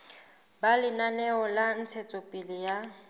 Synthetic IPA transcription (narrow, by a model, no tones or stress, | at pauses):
balɪnanɛɔlan̩t͡sʰet͡sʼɔpʼɪlɪja